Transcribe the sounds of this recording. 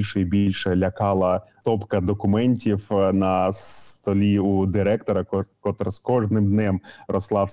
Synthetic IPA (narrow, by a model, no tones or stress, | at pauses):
lʲʃɛibʲilʲʃɛlʲɐkɑlˠɐt̪ɔpkɐd̪ɔkʊmɛnʲtʲiwnɐst̪ɔlʲiud̪ɪɾɛkt̪ɔɾɐkɔt̪rskɔʐnɪmd̪nɛmrɔslˠɑw